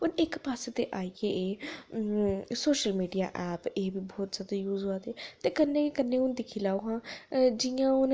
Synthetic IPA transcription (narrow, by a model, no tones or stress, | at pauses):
ʊnekpaːset̪eʔaːikeʔe | soːʃəlmiːɖijaʔɛːpeːbʱibɔːt̪z̥ʲjaːd̪ajuːzoaːt̪et̪ekɐnːekekɐnːeʊnd̪ɪkʰilaːoɦãːd͡ʒijãʊn